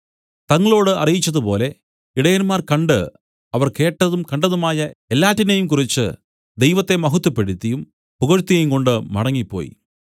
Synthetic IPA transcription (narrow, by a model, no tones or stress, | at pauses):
t̪ɐŋːɐɭo̞ːɽɨɐ̰rijit͡ɕːɐðupo̞̰ːle̞ | iɽɐjɐnmaːrkɐɳɖɨ | ɐʋɐrke̞ːʈːɐðumkɐɳɖɐðumaːjɐelːaːtːinejumkurit͡ɕːɨ̰ | d̪ejʋɐt̪ːe̞mɐɦut̪ːupːeɽit̪ːijum | puɣɐɻt̪ːijɐjumko̞ɳɖɨmɐ̰ɽɐŋːipːo̞̰ːjḭ